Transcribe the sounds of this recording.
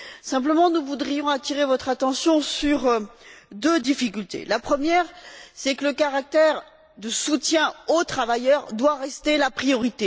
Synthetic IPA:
sɛ̃p̬ləmɑ̃nuvud̪ʁijɔ̃at̪iʁevɔt̪χat̪ɑ̃sjɔ̃syʁ | d̪ød̪ifikʲylt̪ḛlapχəmjɛʁsɛkələkaʁak̚t̪ɛʁ | d̪əsut̪jɛ̃ot̪χavajœʁd̪waʁɛst̪elapχijɔʁit̪e

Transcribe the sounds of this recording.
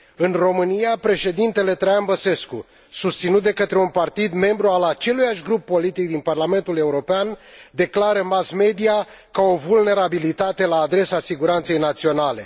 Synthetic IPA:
ɨnro̞mɨniapɾe̞ʃe̞d̪int̪e̞le̞t̪ɾajanbəse̞sku | sust̪sinut̪̚d̪e̞kət̪ɾe̞unpart̪id̪me̞mbɾualat͡ʃe̞lujaʃʲɡɾupːo̞lit̪ik̚d̪inparlame̞nt̪ule̞uɾo̞peand̪e̞klaɾəmasme̞d̪ia | kao̞vulne̞ɾabilit̪at̪e̞laːd̪ɾe̞sasiɡuɾant̪se̞jnat̪sio̞nale̞

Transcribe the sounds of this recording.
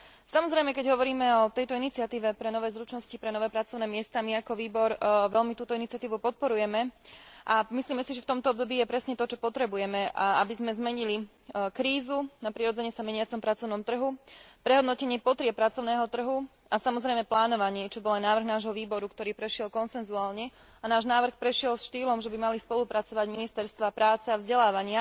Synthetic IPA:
samɔzɾɛjmɛkɛɟɦɔʋɔɾiːmɛɔt̪ɛjt̪ɔinit͡siɪat̪iːʋɛpɾɛnɔʋɛːzɾut͡ʃnɔscipɾɛnɔʋɛːpɾat͡sɔʊnɛːmɪɛst̪amiakɔʋiːbɔɾʋɛlmit̪uːt̪ɔinit͡sɪat̪iːʋupɔt̪̚pɔɾujɛmɛʔamisliːmɛsiʒɛft̪ɔmt̪ɔɔb̚d̪ɔbiːjɛpɾɛsɲɛt̪ɔt͡ʃɔpɔt̪ɾɛbujɛmɛʔaabizmɛzmɛɲili | kɾiːzunapɾiɾɔd͡zɛɲɪɛsamɛɲɪat͡sɔmpɾat͡sɔʊnɔmt̪r̩ɦupɾɛɦɔd̪nɔcɛɲɪɛpɔt̪ɾɪɛpːɾat͡sɔʊnɛːɦɔt̪r̩ɦu | asamɔzɾɛɪmɛplaːnɔʋaɲɪɛt͡ʃɔbɔlajnaːʋr̩ɣnaːʒɦɔʋiːbɔɾukt̪ɔɾiːpɾɛʃɪɛlkɔnsɛnzuaːlɲɛ | anaːʒnaːʋr̩xpɾɛʃɪɛlsʃt̪iːlɔmʒɛbimalispɔlupɾat͡sɔʋaɟminist̪ɛɾst̪ʋapɾaːt͡sɛavzɟɛlaːʋaɲɪa

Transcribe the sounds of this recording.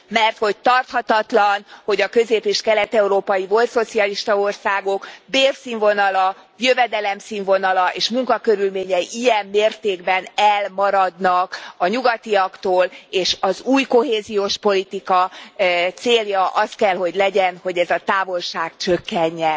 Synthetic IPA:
mɛrt̪ho̞c̚t̪ɒrt̪hɒt̪ɒt̪lɒnho̞ɟɒkøzeːpeːʃkɛlɛt̪ɛuɾoːpɒjivo̞lt̪so̞t̪siɒliʃt̪ɒo̞rsaːɡo̞kbeːrsiːɱvo̞nɒlɒ | jøvɛd̪ɛlɛmsiːɱvo̞nɒlɒʔeːʃmuŋkɒkø̞ɾylmeːɲɛjiʔijɛmːeːrt̪eːɡbɛnɛlmɒɾɒd̪nɒkɒɲuɡɒt̪iɒkt̪oːleːʃɒzuːjko̞ɦeːzijoːʃpo̞lit̪ikɒ | t̪seːljɒʔɒst̪̚kɛlɦo̞ɟlɛɟɛnho̞ɟɛzɒt̪aːvo̞lʃaːɡt͡ʃøkːɛɲːɛ

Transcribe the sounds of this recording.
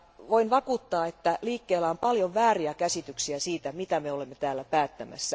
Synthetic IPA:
ʋoinʋɑkuːt̪ːɑːet̪ːæliːkːeːlːæompɑljoʋʋæːriækæsit̪yksiæsiːt̪æmit̪æmeolemːet̪æːlːæpæːt̪ːæmæ̰sːæ

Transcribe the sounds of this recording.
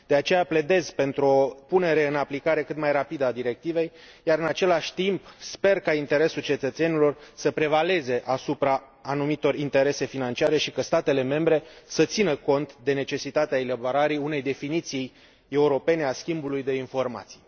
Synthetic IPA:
d̪e̞at͡ʃe̞japle̞d̪e̞zpe̞nt̪ɾuo̞pune̞ɾe̞ɨnaplikaɾe̞kɨt̪majrapid̪əad̪iɾe̞k̚t̪ive̞j | jaɾɨnat͡ʃe̞laʃʲt̪impspe̞rkaint̪e̞ɾe̞sult͡ʃe̞t̪ət̪se̞nilo̞rsəpɾe̞vale̞ze̞ʔasupɾaː | numit̪o̞rint̪e̞ɾe̞se̞finant͡ʃiaɾe̞ʃikəst̪at̪e̞le̞me̞mbɾe̞sət̪sinəko̞nt̪d̪e̞ne̞t͡ʃe̞sit̪at̪eaeliboɾaɾiune̞jd̪e̞finit̪sij | e̞uɾo̞pe̞ne̞askʲimbulujd̪e̞info̞rma̰t̪si̥j

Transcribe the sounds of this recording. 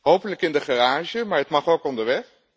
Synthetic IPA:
ɦowpələkɪndəχaraːʒəmaːɹɦətmɑχowkɔndəɹʋɛχ

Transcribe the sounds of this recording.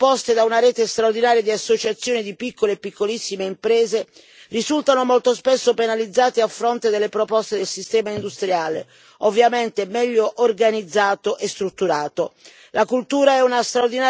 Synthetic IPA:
pɔst̪ed̪aunaɾɛːt̪est̪ɾaoɾd̪inaːɾjad̪iasːot͡ʃat̪sːjoːnid̪ipikːoleːpikʰːolisːimeimpɾɛːze | rizult̪anomolt̪ospɛsːopenalid̪zːaːt̪iafːɾɔnt̪ed̪elːepɾopɔst̪ed̪elsist̪ɛːmaind̪ust̪ɾjaːlḛ | ovːjament̪emɛʎːoʔorɡanid̪zːaːt̪oʔest̪ɾut̪ːuɾaːt̪o | lakult̪uːɾaɛunast̪ɾaord̪ina

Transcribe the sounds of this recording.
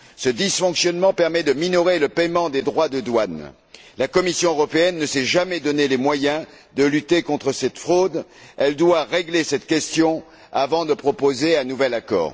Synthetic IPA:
səd̪isfɔ̃ksjɔnmɑ̃pɛʁmɛd̪əminɔʁeləpɛjmɑ̃d̪ed̪ʁwad̪əd̪wan | lakɔmisjɔ̃øʁɔpeɛnːəsɛʒamɛd̪ɔnelemwajɛ̃ | d̪əlyt̪ekɔ̃t̪χəsɛt̪fχod̪ɛld̪waʁeɡlesɛt̪kʲɛst̪jɔ̃ | avɑ̃d̪əpχɔpozeɛ̃nuvɛlakɔ̰ːʁ

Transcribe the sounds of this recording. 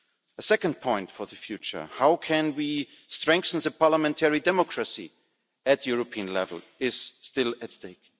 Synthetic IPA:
əsɛkə̃nd̚pʰɔ̃ɪ̃ntfəðəfjʉt͡ʃə̰˞haʊkʰɨ̃nwi | stɹ̥ɛ̃ŋk̚θə̃n̩ðəpʰɑləmɛ̃ntʰɛɹidɛmɔkʰɹ̥ɨsḭ | ætjuɹopʰiə̃nlɛ̰və̰l̩ˠ | ɪz̥stɪlɨtsteɪk̚

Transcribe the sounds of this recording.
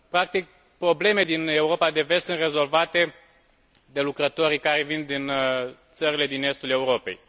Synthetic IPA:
pɾak̚t̪ik̚ | pɾo̞ble̞me̞d̪ine̞uɾo̞pad̪e̞ve̞st̪sɨnt̪re̞zo̞lvat̪e̞ | d̪e̞lukɾət̪o̞ɾikaɾe̞vind̪int̪səɾile̞d̪ine̞st̪ule̞uɾo̞pe̞̰j

